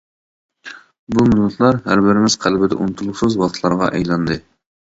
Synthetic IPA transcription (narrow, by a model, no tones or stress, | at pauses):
bumulːɨt̪ʰlˠɑɾɦæ̰ɾbɪɾɪmɪz̥qʰælbɪd̪ɛ̰ʔunut̪ʰulˠusɨzwɑχt̪ʰlˠɑɾʁɑ̰ʔɛ̰jlˠɑnd̪ɨ